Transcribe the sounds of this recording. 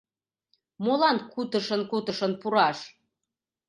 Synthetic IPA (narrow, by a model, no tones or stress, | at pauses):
molɑnkut̪əʃə̆nkut̪əʃə̆npuɾɑʃ